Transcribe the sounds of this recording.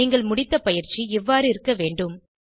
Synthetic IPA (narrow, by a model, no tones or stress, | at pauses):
iːŋɡɐɭmʊɽɪt̪ːɐpɐjɪɾt͡ʃːiɛʋːaːɾɯɪɾɯkːɐʋeːɳɖɯm